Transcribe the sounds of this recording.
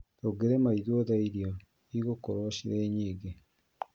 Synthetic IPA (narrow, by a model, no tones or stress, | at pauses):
toɡeɾemaiðoðaiɾjo | iɣokoɾwaʃiɾeːɲiːɡe